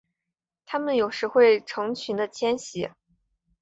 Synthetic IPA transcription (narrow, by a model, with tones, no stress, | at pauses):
t̪ʰa˥mə˨njo˨˩ʊʂɻ̩˧˥xwe˥˩ɪʈ͡ʂʰɤ˧˥ŋt͡ɕʰy˧˥nd̪ə˧t͡ɕʰjɛ˥nɕɛ˧˥